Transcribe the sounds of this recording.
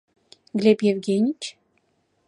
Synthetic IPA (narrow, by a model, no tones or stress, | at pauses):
ɡlʲepjevɡʲenʲit͡ɕ